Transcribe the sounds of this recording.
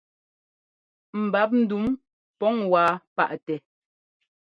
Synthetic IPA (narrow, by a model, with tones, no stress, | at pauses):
m̩˨ba˨˦p̬̚n̩˦du˨˦m | pɔ˦ŋwaː˨˦pa̰˦˨ʔtɛ˨